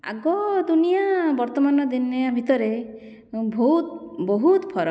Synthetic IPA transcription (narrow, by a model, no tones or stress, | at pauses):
a̰ɡɔd̪unijabɔɾt̪ɔmanɔd̪ineabʱit̪ɔɾe | bʱut̪bɔɦut̪pʰɔɾɔ